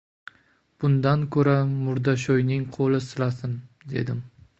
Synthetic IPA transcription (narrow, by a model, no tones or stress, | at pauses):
b̥ʊnd̪ankʰɵɾamʊɾd̪aʃ̬ojnɪŋqʰolɪsɪlasɪn | d̪e̞̰d̪ɪm